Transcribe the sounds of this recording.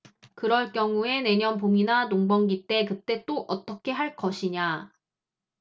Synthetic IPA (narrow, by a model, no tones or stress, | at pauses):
kɯɾʌɭk͈jʌŋue̞ne̞ɲʌnpominanoŋbʌŋɡit͈e̞kɯt͈e̞t͈oʔʌt͈ʌkʰe̞ɦaɭk͈ʌɕʰiɲa